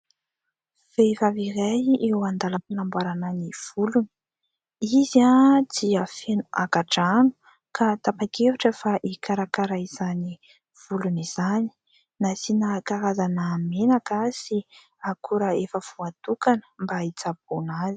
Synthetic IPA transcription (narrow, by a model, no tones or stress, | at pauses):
v̥evaviɾajewand̪alapanambwaɾananiv̥uluni̥ | izad̪iəfenua̰kaʈ͡ʂanu̥ | kʰat̪apakevuʈ͡ʂfaʔikaɾakaɾaiz̥ani | v̥uluniz̥ani̥ | nasinəkaɾazanamenakasi | akʰuɾəefəv̥uat̪ukanə̥mbait͡sab̚onazi̥